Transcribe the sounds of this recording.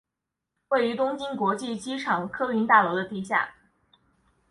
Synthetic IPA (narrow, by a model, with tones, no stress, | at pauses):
we˥˩ɪy˧˥t̪ʊ˥ŋt͡ɕi˥nkwɔ˧˥t͡ɕi˥˩t͡ɕi˥ʈ͡ʂʰɑ˨˩ŋkʰɤ˥y˧˥nt̪a˥˩lɔ˧˥ʊd̪ə˧t̪i˥˧ɕ̬ja̰˥˩